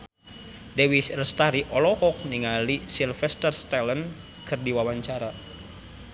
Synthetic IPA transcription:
dewisrəst̪aɾiʔɔlɔhɔk̚niŋalisilfɛst̪ərst̪ɛlən | kʰɨrdiwawaɲt͡ʃaɾa

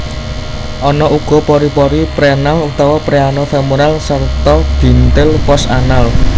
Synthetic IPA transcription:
ʔɔnɔʔuɡ̥ɔ̤pɔɾipɔɾipɾenalut̪awapɾeanofɛmuɾalsart̪ɔɡ̥i̤nt̪ɪlpɔsanal

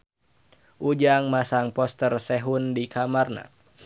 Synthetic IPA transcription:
ʔud͡ʒaŋmasaŋpɔst̪ərsɛɦundikʰamarna̰

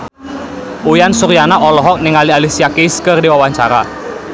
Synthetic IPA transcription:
ujansuɾijanaʔɔlɔɦɔk̚nɪŋalialisiakeskərdiwawaɲt͡ʃaɾa̰

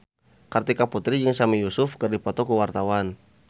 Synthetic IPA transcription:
kart̪ikaput̪ɾid͡ʒəŋsamijusʊfkərdipɔt̪ɔkuwart̪awan

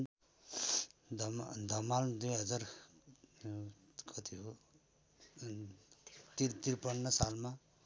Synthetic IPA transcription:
d̪md̪ʱʌmald̪ujɦʌd͡zar | kʰʌt̪iɦo | t̪iɾt̪irpʌnːʌsalma

